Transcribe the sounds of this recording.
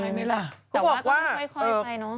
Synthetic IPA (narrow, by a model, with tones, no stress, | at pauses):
la˧jma˦˥la˧˩kʰɔː˨˥˨bɔː˨˩kwaː˥˩˧ʔɤː˧nɔ˦˥